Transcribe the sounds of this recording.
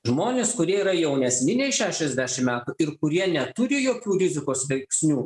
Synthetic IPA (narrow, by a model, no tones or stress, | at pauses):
ʒmoːnʲeːskʊɾʲiɛiɾɐjɛʊnʲɛsʲnʲɪnʲɛɪʃʲæːʃʲɛzʲd̪ʲæʃʲɪmmʲæːt̪ʊɪɾkʊɾʲiɛnʲɛt̪ʊɾʲɪjoːkʲuːɾʲɪzʲɪkoːsʋʲɛɪksʲnʲuː